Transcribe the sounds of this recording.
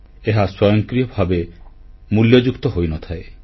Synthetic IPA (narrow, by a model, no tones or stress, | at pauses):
eɦaswɔjɔŋkɾijɔbʱabe | muljɔd͡ʒukt̪ɔɦojnɔt̪ʰae